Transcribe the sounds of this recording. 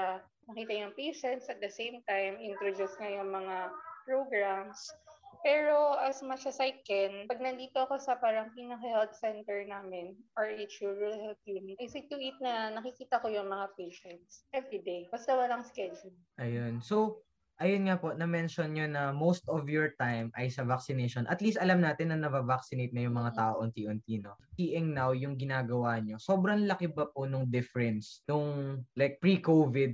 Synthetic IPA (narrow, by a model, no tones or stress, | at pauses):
nɐkiːt̪ɐjʊŋpejʃɛnt̪sɐt̪̚d̪ɐsejmt̪ajmɪnt̪ɾod̪usŋɐjʊŋmɐŋapɹoɡɹamspɛːɹo̞ʔɐsmat͡ʃɐsajkɛnpɐɡ̚nɐnd̪iːt̪oʔɐko̞sɐpaːɾɐŋpiːnɐkɐhɛlt̪sɛnt̪ɛɹnaːmɪnʔɐɹʔit͡ʃʊɹuɐlt̪imʔɪsɪt̪ːʊʔit̪̚nɐnɐkɪkiːt̪ɐkojʊŋmɐŋapejʃɛnt̪sʔɛvɾid̪ejbɐst̪ɐwɐlaŋskɛd͡ʒʊl | ʔɐjonso̞w | ʔɐjonŋapo̞ʔnɐmɛnʃonɲonɐmowst̪ɔvjoɹt̪ajmʔɐjsɐvaksɪneʃonʔɐt̪liːst̪ɐlamnaːt̪ɪnːɐnɐbɐvaksɪnejt̪̚nɐjʊŋmɐŋat̪aːʔoʔont̪iʔʊnt̪iːno̞iʔɛŋnawjʊŋɡɪnaːɡɐwaɲo̞soːbɾɐŋlɐkɪbɐponʊŋd̪ɪfɛɹɛnsnʊŋlajk̚pɹikovɪd̪̚